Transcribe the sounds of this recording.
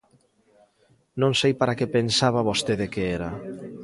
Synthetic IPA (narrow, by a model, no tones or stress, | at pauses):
nõŋsejpaɾakepensaβaβost̪eðekeeɾa